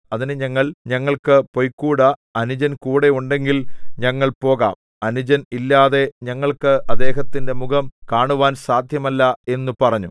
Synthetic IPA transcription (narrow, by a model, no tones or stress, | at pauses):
ɐðinɨɲɐŋːɐɭɲɐŋːɐɭkɨpo̞jkːuːɽɐɐnud͡ʑɐnkuːɽe̞uɳɖe̞ŋɡilɲɐŋːɐɭpo̞ːɣa̰ːm | ɐnud͡ʑɐnilːaːðe̞ɲɐŋːɐɭkɨʔɐd̪ːe̞ːɦɐt̪ːinde̞muɡɐmkaːɳuʋaːnsaːd̪ʱjɐmɐlːɐe̞nːupɐrɐɲːu